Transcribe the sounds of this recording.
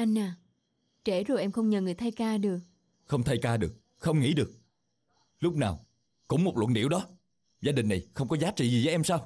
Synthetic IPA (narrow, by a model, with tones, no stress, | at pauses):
ʔa˧jŋ̟ʔaː˨˩ | t͡ɕe˧˩zo˨˩jʔɛ˧mxə˧wŋ͡mɲə˨˩ŋɨ˨˩jt̪ʰjkaː˧ɗɨ˨˩ək̚ | xə˧wŋ͡mt̪ʰa˧jkaː˧ɗɨ˨˩ək̚ | xə˧wŋ͡mŋḭ˧˥ɗɨ˨˩ək̚ | lʊ˦˥k͡p̚naː˨˩w | kʊ̰˧˥ŋ͡mmo˨˩t̚lwə̰˧˨nɗḭ˧˨əwɗɔ˨˦ | zaː˧ɗï˨˩ŋ̟na˨˩jxə˧wŋ͡mkɔ˨˦zaː˨˦t͡ɕḭ˧˨zi˨˩və˨˦jʔɛ˧msaː˧w